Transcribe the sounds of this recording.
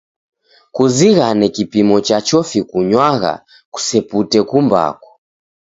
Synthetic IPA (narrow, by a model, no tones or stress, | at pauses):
kuziɣanɛkipimɔt͡ʃat͡ʃɔfikuɲwaɣa̰ | ku̥sɛputɛkumba̰kɔ̥